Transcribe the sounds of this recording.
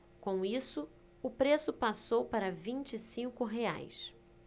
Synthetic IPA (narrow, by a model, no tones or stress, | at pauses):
kõw̃isʊ | ʊpɾesʊpasowpaɾɐvĩnt͡ʃisĩŋkʊɦea̰js